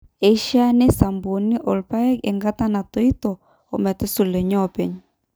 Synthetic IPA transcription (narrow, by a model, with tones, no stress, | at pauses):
e˨i˦ʃa˦nɛ˦sa˨mbo˨ni˦ʔɔ˨lpa˦ɛ˦kɛ̰˨ŋɡa˦ta˦na˨to˦i˦tɔː˨ | mɛ˨tɛ˦su˨lɛ˨ɲɔ˦˨pɛ˨ɲ